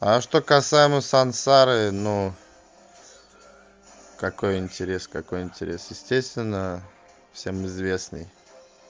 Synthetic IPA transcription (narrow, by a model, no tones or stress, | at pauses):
aʂt̪o̞kɐsajɪməsɐnsaɾɨnu | kɐko̞jɪnʲtʲɪɾʲeskɐko̞jɪnʲtʲɪɾʲesjɪsʲtʲest̪vʲɪnːə | fsʲe̞mɨzvʲe̞snɨ̰j